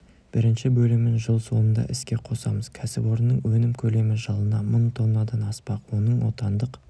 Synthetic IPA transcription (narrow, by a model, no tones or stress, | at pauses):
b̥ɪɾɪnʃɪbɵlɪmɪnʒəlˠso̞nənd̪ɑ̰ʔɪskʲe̞qʰo̞sɑ̰məz̥kʲʰæsɪbo̞ɾənːəɴwɵnɪmkʲʰɵle̞mɪʒɑlˠənɑmənt̪ʰo̞nːɑd̪ɑnɑspɑqwo̞nəɴwo̞̰t̪ɑnd̪əq